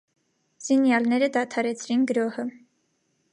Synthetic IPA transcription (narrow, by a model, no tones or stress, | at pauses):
z̥injɑlnɛɾəd̪ɑt̪ʰɑɾɛt͡sʰɾinɡəɾɔhə